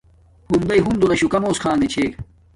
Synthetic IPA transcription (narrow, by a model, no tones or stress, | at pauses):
hund̪ɐiɦund̪unɐɕukɐmoːskʰaːnet͡ɕʰeːk